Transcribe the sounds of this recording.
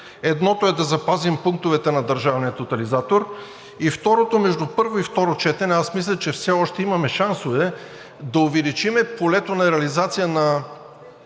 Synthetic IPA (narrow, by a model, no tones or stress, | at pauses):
ɛd̪nɔt̪oɛd̪ɐzɐpazimpuŋk̚t̪ʊvɛt̪ɛnɐd̪əɾʒavnijət̪ːot̪ɐlizat̪oɾ | ift̪ɔɾot̪omɛʒd̪upɤɾvoift̪ɔɾot͡ʃɛt̪ɛnɛasmislʲɛt͡ʃɛfsɛɔʃt̪ɛimɐmɛʃansovɛ | d̪ɐʊvɛlit͡ʃimɛpolɛt̪onɐɾɛɐlizat̪sijənɐ